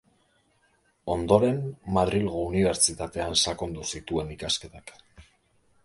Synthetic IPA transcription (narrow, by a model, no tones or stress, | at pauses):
o̞nd̪o̞ɾe̞mmaðɾilɣouniβ̞e̞ɾt͡ʃit̪at̪e̞ansako̞nd̪usit̪ue̞nikaske̞t̪ak